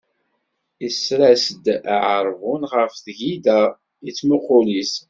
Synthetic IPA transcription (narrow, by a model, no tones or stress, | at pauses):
isɾæsəd̪aʕəɾˤvʊnʁəfθʝid̪æ | it͡sːmuqʊlis